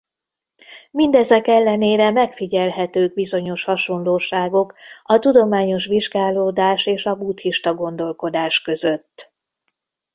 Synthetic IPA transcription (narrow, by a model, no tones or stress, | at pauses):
mind̪ɛzɛkɛlːɛneːɾɛmɛkfiɟɛlɦɛt̪øːɡ̚bizo̞ɲo̞ʃhɒʃo̞nloːʃaːɡo̞kɒt̪ud̪o̞maːɲo̞ʃʋiʒɡaːloːd̪aːʃeːʃɒbuːt̪hiʃt̪ɒɡo̞nd̪o̞lko̞d̪aːʃkø̞zø̞t̪ː